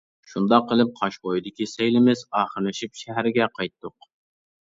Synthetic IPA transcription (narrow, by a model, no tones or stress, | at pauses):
ʃund̪ɑqːəlˠɨp̚qʰɑʃbojid̪ɪkʲisejlɪmɪzɑːχəɾlɨʃipʃæɦæɾɪɡʲɛqʰɑjt̪ːʊq